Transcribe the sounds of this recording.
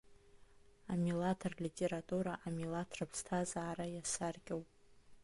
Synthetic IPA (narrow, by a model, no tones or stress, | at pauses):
amilatʰarlʲitʲʼeɾatʼuɾaʔamilatʰrapʰstʰazaːɾajasarɡʲawpʼ